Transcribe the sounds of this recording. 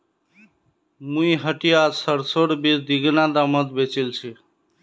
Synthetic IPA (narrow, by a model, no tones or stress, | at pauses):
mũiɦəʈijasəɾsoɽbid̪iɡnad̪amət̪bet͡ʃilt͡ʃʰi